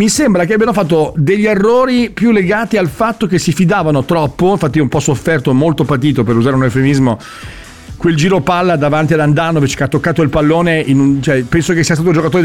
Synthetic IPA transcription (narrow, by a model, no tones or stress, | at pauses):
misembɾakeabijanofat̪ːod̪eʎːerːoːɾipjulːeɡaːt̪ialfat̪ːok̟esːifid̪aːvanot̪ɾɔpːoiɱfat̪ːiumpɔsofːɛrt̪omolt̪opat̪̬iːt̪opeɾuzaːɾeunelfeminizmo | kweld͡ʒiːɾopalːad̪avant̪iad̪and̪anːovet͡ʃe̥keat̪ːokːaːt̪oilpalːoːneʔinunt͡ʃɛpɛnsokesːiast̪at̪od͡ʒokat̪oːɾe